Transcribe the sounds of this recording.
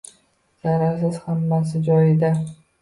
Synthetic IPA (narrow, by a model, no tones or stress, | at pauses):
z̥aɾaɾsɪz̥hamːas̬ɪd͡ʒɒjɪd̪a